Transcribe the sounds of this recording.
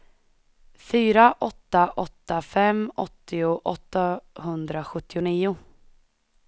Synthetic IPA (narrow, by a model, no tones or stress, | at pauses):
fyːɾaʔɔt̪ːaʔɔt̪ːafɛmɔt̪ːɪʊʔɔt̪ːahɵnd̪ɾaɧɵt̪ːɪʊniːʊ